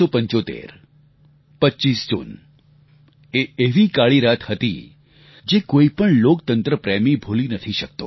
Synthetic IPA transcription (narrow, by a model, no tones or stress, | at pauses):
opəɲt͡ʃot̪ḛɾ | pət͡ʃisd͡ʒṵn | eeʋikaɭiɾat̪hət̪ḭ | d͡ʒekoipəɳlokt̪ənt̪ɾəpɾɛmibʱolinət̪ʰiʃək̚t̪o̰